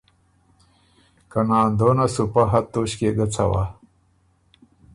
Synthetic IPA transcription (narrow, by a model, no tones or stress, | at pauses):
kanaːnd̪onasupaɦat̪ːoɕkeɡat͡sʰa̰wa